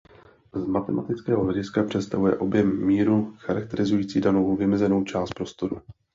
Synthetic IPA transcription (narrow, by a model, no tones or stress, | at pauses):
zmat̪ɛmʔa̰t̪ɪt͡skɛːɦoɦlɛɟɪskapr̝̥ɛt̪st̪avujɛʔo̞bjɛmːiːɾuxaɾak̚t̪ɛɾɪzujiːt͡siːdanovovɪmɛzɛno̞wt͡ʃaːst̪̚pɾo̞st̪o̞ɾṵ